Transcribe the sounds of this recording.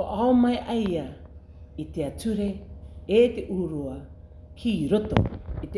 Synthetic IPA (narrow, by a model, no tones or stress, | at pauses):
oʔaomaeʔɐjɐ | iteat͡suɾe̞ete̞ʔuːɾuɐ | hiːɾoto̰it